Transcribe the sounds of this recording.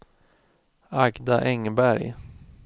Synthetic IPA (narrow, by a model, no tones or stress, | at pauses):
aɡd̪aʔɛŋbæɾj